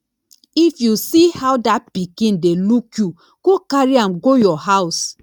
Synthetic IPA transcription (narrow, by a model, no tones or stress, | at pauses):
ifjusihawdat̚pikĩndelukju | ɡ̥okaɹiãmɡojɔhaʊs